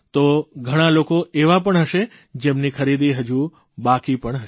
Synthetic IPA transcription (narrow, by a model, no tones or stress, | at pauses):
t̪oɡʱəɽ̃alokoeʋapəɳɦəʃe | d͡ʒemnikʰəɾid̪iɦəd͡ʒu | bakipəɳɦəʃ